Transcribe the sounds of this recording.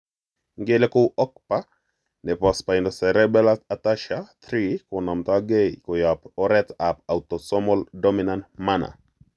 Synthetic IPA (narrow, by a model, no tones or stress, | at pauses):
ŋɡelekʊʔɔk̚pa | nɛpɔspaindɔsɛɾɛbɛlaat̪aʃat̪ɾikonɔmt̪aɡekojapɔɾɛt̪apawt̪ɔsɔmɔldɔminantmana̰